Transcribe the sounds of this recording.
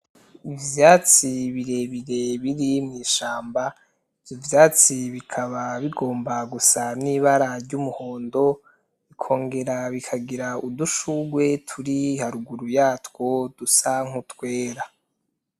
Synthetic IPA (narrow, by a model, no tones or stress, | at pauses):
ivjaːt͡siβiɾe̞βiɾe̞βiɾimŋiːʃaːmba | vivjaːt͡siβikʰaβaβiɡo̞ːmbaɡusaniβaɾaɾɟumuho̞ːndo̞ | ikʰo̞ːŋɡe̞ɾaβikʰaɡiɾauduʃuɡwe̞tʰuɾihaɾuɡuɾujaːtkwo̞d̥usaŋ̥hutwe̞ːɾa